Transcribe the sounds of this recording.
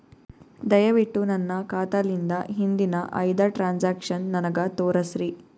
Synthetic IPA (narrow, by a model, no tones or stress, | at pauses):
d̪ɐjɐʋiʈːunɐnːɐkaːt̪ɐlind̪ɐɦind̪inɐʔɐjd̪ɐʈɾaːnsaːkʂɐnːɐnɐɡɐt̪oːɾɐsɾi